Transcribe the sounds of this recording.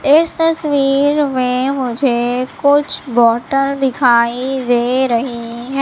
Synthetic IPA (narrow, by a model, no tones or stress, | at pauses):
ɪst̪əsʋiːɾmẽːmʊd͡ʒʱeːkʊt͡ʃʰbɔːʈənd̪ɪkʰaːid̪eːɾəɦiɦɛ̃